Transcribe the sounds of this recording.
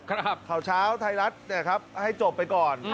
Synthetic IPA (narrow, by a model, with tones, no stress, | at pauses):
k̚ʰkʰa˩wt͡ɕʰaː˦˥wt̪ʰa˧jɾa˦˥t̪̚ni˦˥˩ɐkʰa˦˥p̚ha˥˩jt͡ɕo˨˩pːa˧jkɔː˨˩n